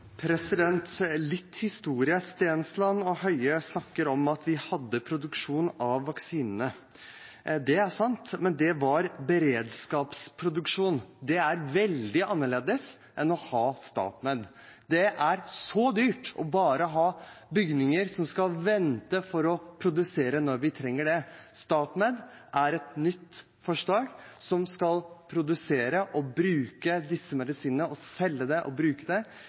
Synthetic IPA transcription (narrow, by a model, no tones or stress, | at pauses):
pʰɾɛsɪd̪ɛnt̪lɪt̪ːhɪst̪uːɾɪəst̪eːnslɑnːɔhœʏəsnɑkːəɾɔmɑt̪ʰʋɪhɑd̪ːəpʰɾʊd̪ʉkʂuːnɑʋːɑksiːnənə | d̪ɛæʂɑnt̪mɛnd̪ɛʋɑɾbəɾeːd̪skɑːpspʰɾʊd̪ʉkʂuːnd̪ɛæɾʋɛld̪ɪʔɑnːəɭeːd̪əsʔɛnɔhɑːst̪ɑ̰ːt̪med̪ | d̪ɛʔæɾsɔd̪yːʈɔ̰bɑːɾəɦɑːbʏɡnɪŋəɾsɔmskɑlʋɛnt̪əfɔɾɔpʰɾʊd̪ʉseːɾənɔɾʋɪt̪ʰɾɛŋːəɖɛst̪ɑːt̪meːd̪ | ʔæɾɛt̪nʏt̪ː | fɔʂlɑːɡsɔmskɑlpʰɾʊd̪ʉseːɾəʔɔbɾʉːkəd̪ɪsːəmɛd̪ɪsiːnəəɔsɛlːəd̪ɛʔɔbɾʉːkəd̪ɛ